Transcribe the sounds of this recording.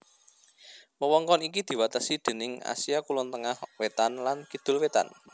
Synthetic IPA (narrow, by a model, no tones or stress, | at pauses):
wəwɔŋkɔnikid̪̥i̤wat̪asid̪̥e̤nɪŋa̰siakulɔnt̪əŋahwet̪anlankid̪̥ʊ̤lwet̪a̰n